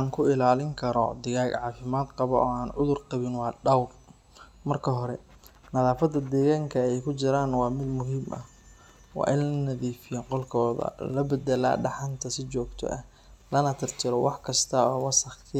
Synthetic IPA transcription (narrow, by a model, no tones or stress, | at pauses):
aŋkʰʊɪlaːlɪŋkʰɐɾɔ̰d̪ɪɣaːɡʕɑːfɪmaːd̪qɑβɔʔɔːaːnʕʊðʊrqɑβɪnwɑːɖɐwr | mɐrkʰɐɦɔɾɛ | nɐðaːfɐd̪ɐd̪ɛːɣaːŋkʰɐɛjkʰʊt͡ʃɪɾaːnwɑːmɪd̪mʊɦiːmʔɐ̰ | wɑ̰ːʔɪnlɐnɐðiːfɪjɔqɔlkʰɔːðɐ̰lɐbɐd̪ɛla̰ːɖɑħɑnt̪ʰɐsɪt͡ʃɔːɡt̪ʰɔ̰ʔɐ̰h | lɐnɐt̪ʰɪrt̪ʰɪɾɔwɑħkʰɐst̪ʰɐɔːwɑsɐχkʰɪ